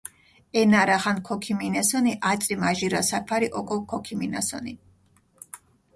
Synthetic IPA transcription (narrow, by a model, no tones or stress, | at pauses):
ɛnaɾaχankʰɔkʰiminɛsɔniʔat̪t͡ʃsʼɾimaʒiɾasapʰaɾiʔɔkʼɔkʰɔkʰimina̰sɔ̰ni